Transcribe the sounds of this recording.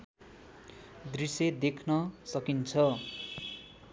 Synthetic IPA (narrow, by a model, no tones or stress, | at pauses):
d̪rised̪ekʰnʌsʌkint͡sʰʌ